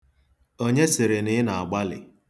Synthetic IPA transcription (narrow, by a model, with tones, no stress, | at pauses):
o˦ɲe˦sɪ˨ɾɪ˨nɪ˦na˨a˨ɡ͡ba˦lɪ̰˨